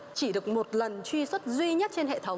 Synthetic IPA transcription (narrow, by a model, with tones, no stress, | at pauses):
t͡ɕi˧˩ɗɨ˨˩ə˩k̚mo˨˩t̚lə˨˩nt͡ɕwi˧swə˦˥t̚zwi˧ɲə˦˥t̚t͡ɕe˧nɦḛ˧˨t̪ʰə˨˦wŋ͡m